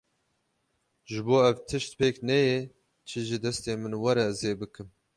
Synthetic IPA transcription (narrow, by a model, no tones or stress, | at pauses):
ʒɨboːɛvt̪ʰɨʃt̪̚peːknɛjɛ | t͡ʃʰɨʒid̪ɛst̪eːmɨnwɐɾɛzeːbɨkɨm